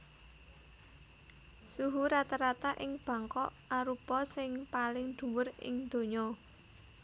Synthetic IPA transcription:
suɦuɾat̪aɾat̪aʔɪŋb̥a̤ŋkɔʔ | aɾupɔsɪŋpalɪŋɖ̪̥ṳwʊrɪ̰ŋd̪̥o̤ɲɔ

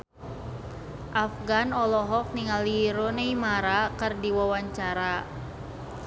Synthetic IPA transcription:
ʔafɡanɔlɔɦɔk̚niŋaliɾoneimaɾakərdiwawaɲt͡ʃaɾa

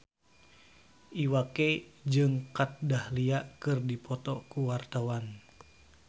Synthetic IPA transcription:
ʔiwaked͡ʒɨŋkat̪̚dahliaʔkɨrdipɔt̪ɔkuwart̪awan

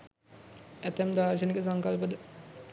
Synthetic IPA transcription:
æt̪æmd̪aːɾʃ̬ənikəs̬aŋkalpəd̪ə

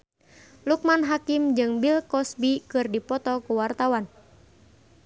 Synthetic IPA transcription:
luk̚manɦakimd͡ʒɨŋbilkɔsbikɨrdipɔt̪ɔkuwart̪awan

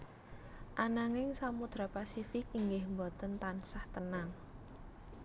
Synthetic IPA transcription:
ʔanaŋɪŋsamud̪̥ɾapasifɪkiŋɡɪhmbɔt̪ənt̪ansaht̪ənaŋ

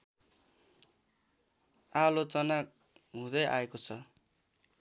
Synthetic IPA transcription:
alot͡sʌnak̚ | ɦũd̪ʌjʔa̰ekot͡sʰʌ

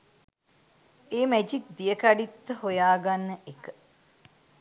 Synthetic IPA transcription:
eːmæd͡ʒik̚d̪ijəkaɖit̪ːəhojaːɡanːəʔekə

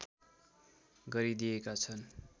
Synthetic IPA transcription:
ɡʌɾid̪ijekat͡sʰʌn

